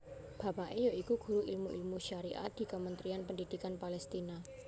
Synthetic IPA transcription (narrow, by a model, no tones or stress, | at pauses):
b̥a̤paʔejoikuɡ̥ṳɾuʔilmuʔḭlmuʃaɾiʔa̰t̪̚d̪̥i̤kəmənt̪ɾianpəndid̥ikanpalɛst̪ina